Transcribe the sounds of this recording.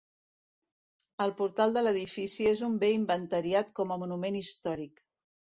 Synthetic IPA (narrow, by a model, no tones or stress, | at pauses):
əlˠpuɾt̪alˠd̪ələðifisiezumbeimbənt̪əɾiat̪kɔməmunumenist̪ɔɾik